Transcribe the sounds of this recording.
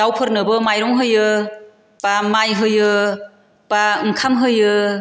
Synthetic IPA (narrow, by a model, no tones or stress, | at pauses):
awpʰɯɾnɯbɯmajɾɔŋɦɯjɯ | pamajɦɯjɯ | paɯŋkʰamɦɯjɯ